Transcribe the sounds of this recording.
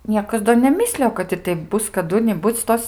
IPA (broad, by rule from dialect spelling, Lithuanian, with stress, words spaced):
ˈnʲiɛkɐs doː nʲɛˈmʲɪsʲlʲɪjoː kɐt ɪr ˈtʲɛɪp ˈbʊs kɐˈdʊ nʲɪˈbʊt͡s ˈtoːs